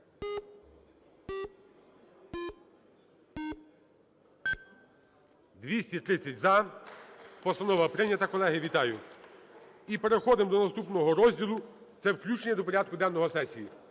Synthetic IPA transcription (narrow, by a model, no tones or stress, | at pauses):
d̪ʋʲisʲtʲit̪ɾɪt͡sʲːɐtʲzɐ | pɔst̪ɐnɔʋɐpɾɪnʲːɐt̪ɐkɔlˠɛɦɪʋʲit̪ɑjʊ | ipe̞ɾexɔd̪ɪmd̪ɔnɐst̪upnɔɦɔɾɔzʲdʲilˠʊ | t̪sɛwklʲut͡ʃenʲːɐd̪ɔpɔɾʲad̪̚kʊd̪ɛwnɔɦɔsɛsʲiji